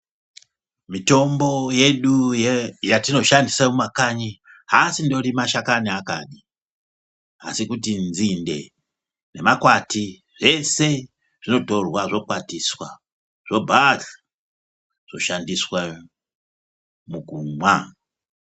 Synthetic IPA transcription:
mito̞mbo̞je̞ɗujjatino̞ʃandisamumakaɲiɦasindo̞rimaʃakaniakaɗi | a̰sikutinzinde̞̰ | ne̞makwati | ʐe̞se̞ | ʐ̥ino̞to̞rwaʐo̞kwatiswa | ʐ̥o̞bʱaɮa | ʐ̥o̞ʃandiswa | muɡumwa

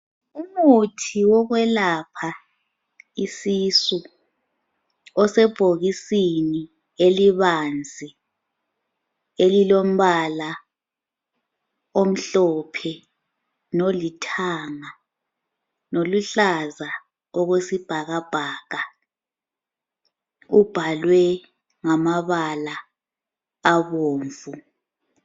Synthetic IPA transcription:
umutʰiwɔɣwɛlapʰa | isisu | ɔsɛb̥ʱoɣisini | eliβand͡zʱi | elilom̩βala | om̩ɬɔpʰɛ | nolitʰaːŋa | noluɬaza | ɔɣesib̥ʱaɣab̥ʱaːɣa | ub̥ʱalwɛ | ŋamaβalaː | βoːɱvu

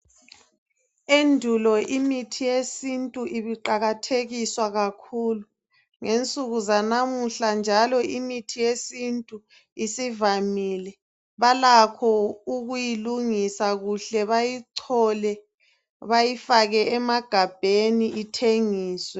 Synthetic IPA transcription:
endʱulɔʔimitʰijesintʼuʔiβiǃaɣatʰeɣiswaɣakʰuːlu | ŋent͡sʼuɣuzanamuɬand͡ʒʱalɔimitʰijesintʼu | isivamilɛ | βalakʰɔuɣujiluŋisaɣuɬɛβajiǀʰɔlɛ | βajifaɣɛɛmaɡ̥ʱab̥ʱeniʔitʰeŋiːswɛ

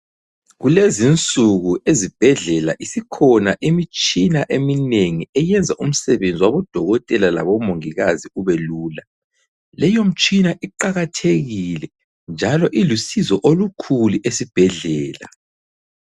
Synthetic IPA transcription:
ɣulezint͡sʼuɣuʔezib̥ʱɛɮɛlaʔisikʰɔnaʔimit͡ʃʼinaʔemineŋiɛjɛnd͡zʱaʔum̩sɛβend͡zʱiwaβɔd̥ʱɔɣɔtʼɛlala̰βɔmoŋiɣaziuβeluːla | lɛjom̩t͡ʃʼinaʔiǃaɣatʰeɣilɛ | nd͡ʒʱalɔʔilusizɔʔolukʰuliʔesib̥ʱɛɮɛːla̰

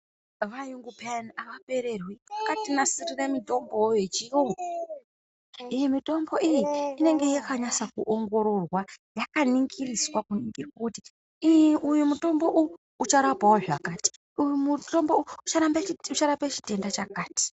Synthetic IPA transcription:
ʋajuŋɡupeanaʋape̞ɾe̞rwiakatinasiriramito̞mboojet͡ʃio | ijemito̞mbo̞ʔijiine̞ŋɡe̞jakaɲasakuʔoŋɡo̞ɾo̞rwajakaniŋɡiriswakuniŋɡekuti | iʔujumuto̞mbo̞ʔuː | t͡ʃaɾapawoʐakaːti̥ | ujumuto̞mbouut͡ʃaɾambaut͡ʃaɾapet͡ʃi̥te̞ndat͡ʃakaːti̥

